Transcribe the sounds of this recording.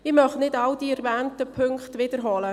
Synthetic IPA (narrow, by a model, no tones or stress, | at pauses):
ɪmœχnɪdawdiːɛɾvæːntəpʰʏŋkχtʋɪd̥əɾɦɑlə